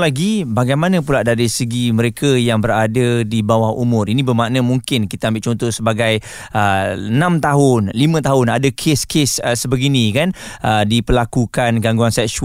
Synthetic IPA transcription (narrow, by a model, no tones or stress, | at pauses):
laɡibaɡajmanə̃p̬ulaʔdaɾisəɡimə̃ɾekʰajaŋbəɾadadibawahṵmʊ̃rinĩbəmaʔnə̃muŋkɪnkit̪əambɪʔt͡ʃɔnt̪ɔhsəbaɡaj | ənãmt̪aɦʊnlimə̃t̪aɦʊnadakʰeskʰesəsəbəɡinĩkanədipəlakukanɡaŋɡuansɛksu